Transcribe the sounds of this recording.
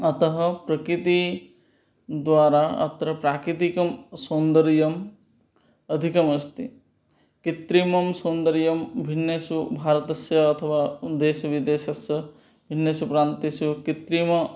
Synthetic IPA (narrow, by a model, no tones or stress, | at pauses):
ɐt̪ɐɦɐ̆pɾɐkɾit̪i | d̪ʋaːɾaɐ̰t̪ɾɐpɾaːkɾit̪̬ikɐmsoːnd̪ɐɾjɐm | ɐd̪ʱikɐmɐst̪i | kit̪ɾiːmɐmsoːnd̪əɾjɐmbʱinːjesubʱaːɾɐt̪ɐsjɐːt̪ʰɐʋaːd̪eːʃɐʋid̪eːʃɐsjɐ | bʱinːeːsupɾaːnt̪isukit̪ɾiːmɐ